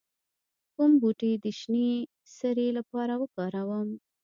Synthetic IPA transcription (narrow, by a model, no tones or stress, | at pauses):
kumbuʈed̪əʃni | səɾelapɑɾawəkɑɾawəm